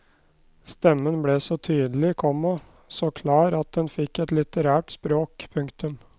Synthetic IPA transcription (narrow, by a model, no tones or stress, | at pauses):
st̪ɛmːənblɛːsɔt̪ʰyːd̪əl̩ɪkʰɔmːɑ | sɔkʰlɑːɾɑt̪̚d̪ɛnfɪkːɛt̪lɪt̪əɾæːʈspɾoːkpʰʊŋkt̪ʉm